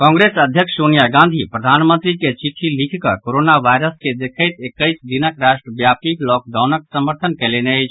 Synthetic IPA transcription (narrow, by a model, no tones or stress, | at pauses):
kɔ̃ːŋɡɾesəd̪ʱjəkʂʰsonijaɡãnd̪ʱipɾəd̪ʱaːnmənt̪ɾiket͡ʃiʈʰːilikʰkəkoɾonaʋaɪɾəsked̪ekʰəɪt̪ekəɪsd̪inəkɾaʃʈɾəbjapiklɔk̚ɖaʊnəksəməɾt̪ʰənkɛleneəjt͡ʃʰ